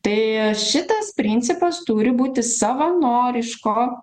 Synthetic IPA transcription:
t̪ɐɪʃʲɪt̪ɐspʲɾʲɪnʲt̪sʲɪpɐst̪uːɾʲɪbuːt̪ʲɪsɐʋɐnoːɾʲɪʃkoː

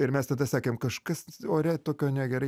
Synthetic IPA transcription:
ɪɾmʲɛst̪ɐd̪ɐsɑːkʲeːmkɐʃkɐsoːɾʲɛt̪oːkʲoːnʲɛɡʲɛɾɐɪ

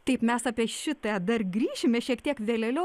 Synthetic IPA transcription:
t̪ɐɪpmʲɛsɑːpʲiɛʃʲɪt̪ɛd̪ɐrɡɾʲiːʃʲɪmʲɛʃʲiɛkt̪ʲiɛkʋʲeːlʲeːlʲɛ

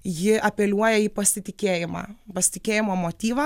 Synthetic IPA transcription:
jɪʔɐpʲɛlʲuɔjɛiːpɐsʲɪt̪ʲɪkʲeːjɪmɑ̰ːpɐsʲɪ̥t̪ʲɪkʲeːjɪmoːmoːt̪ʲiːʋɐ

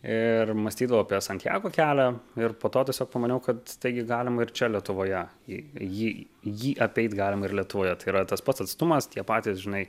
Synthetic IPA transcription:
ɪrmɐsʲt̪ʲiːd̪ɐʋoːɐpʲiɛsɐnʲt̪ʲjæ̰ːɡoːkʲæːlʲæɪɾpoːt̪oːt̪ʲiɛsʲoːk̚pɐmɐnʲɛʊkɐt̪t̪ɐɪɡʲɪɡɑːlʲɪmɐɪɾt͡ʃʲɛlʲiɛt̪ʊʋoːjɛjɪjiː | jiːʔɐpʲɛɪt̪ɡɑːlʲɪmɐɪɾlʲiɛt̪ʊʋoːjɛt̪ɐɪiːɾɐt̪ɐspɐt̪sɐt̪st̪ʊmɐst̪ʲiɛpɑːt̪ʲiːsʒʲɪnɐɪ

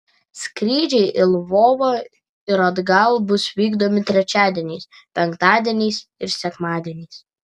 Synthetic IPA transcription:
skɾʲiːd͡ʒʲɛɪʔɪlˠʋoːʋoː | ɪɾɐd̪ɡɐlˠbʊsʋʲiːɡd̪omʲɪt̪ʲɾʲɛt͡ʃʲæːd̪ʲiɛnʲɛɪs | pʲɛŋkt̪ɑːd̪ʲiɛnʲɛɪsɪɾsʲɛkmɑːd̪ʲiɛnʲɛːs

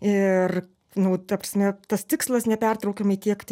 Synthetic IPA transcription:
ɪr | nʊt̪ɐpɾʲɐsʲmʲɛt̪ɐst̪ʲɪkslˠɐsnʲɛpʲɛrt̪ɾɐʊkʲɛmɐɪtʲiɛkt̪ʲ

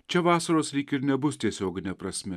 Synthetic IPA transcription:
t͡ʃʰɐʋaːsɐɾoslikiɾnʲɐbust̪ʲesʲoːɡnʲɐpɾɐsmʲe

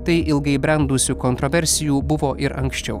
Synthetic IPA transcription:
t̪ɐɪʔɪlˠɡɐɪbʲɾʲɛnd̪usʲuːkɔnt̪ɾɔʋʲɛɾʲsʲɪjuːbʊʋoːʔɪɾɐŋksʲt͡ʃʲɛʊ

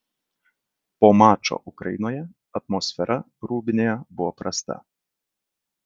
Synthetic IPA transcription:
poːmɑːt͡ʃo̰ʔʊkɾɐ̰jɪnoːjɛ | ɐt̪mɔsʲfʲɛɾʔɐ | ɾuːbʲɪnʲeːjɛbʊʋɔpɾɐst̪ɐ̰

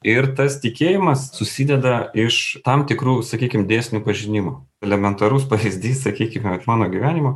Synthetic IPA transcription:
ɪɾt̪ɐst̪ʲɪkʲeːjɪmɐssʊsʲid̪ʲɛd̪ɐɪʃt̪ɐmt̪ʲɪkɾuːsɐkʲiːkʲɪmd̪ʲeːsʲnʲuːpɐʒʲɪnʲɪmo | ɛlʲɛmʲɛnt̪ɐɾʊspɐʋʲizʲd̪ʲiːssɐkʲiːkʲɪmʲmɑːnoːɡʲiʋʲæːnʲɪmoː

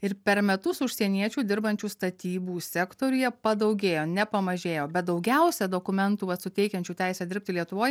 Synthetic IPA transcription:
ɪɾpʲɛɾmʲɛt̪ʊsʊʃʲsʲiɛnʲiɛt͡ʃʲuːd̪ʲɪɾbɐnʲt͡ʃʲuːst̪ɐt̪ʲiːbuːsʲɛkt̪oːɾʲʊjɛpɐd̪ɐʊɡʲeːjoːnʲɛpɐmɐʒʲeːjoːbʲɛt̪̚d̪ɒʊɡʲɛʊsʲɛd̪oːkʊmʲɛnt̪uːʋɐt̪sʊt̪ʲɛɪkʲɛnʲt͡ʃʲuːt̪ʲæˑɪsʲɛd̪ʲɪɾʲp̚ʲt̪ʲɪlʲiɛt̪ʊʋoːj

